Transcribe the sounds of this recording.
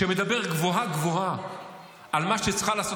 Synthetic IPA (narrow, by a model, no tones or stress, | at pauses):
emed̪abe̞ʁɡvo̞ɦaɡvo̞ɦa | ʔːlmaʃet͡sχalaːso